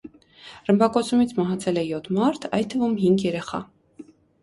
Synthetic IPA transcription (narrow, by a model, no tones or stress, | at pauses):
rəmbɑkɔt͡sʰumit͡sʰmɑɦɑt͡sʰɛlɛjɔt̪ʰmɑɾt̪ʰɑjt̪ʰːəvumɦiŋɡjɛɾɛχɑ̰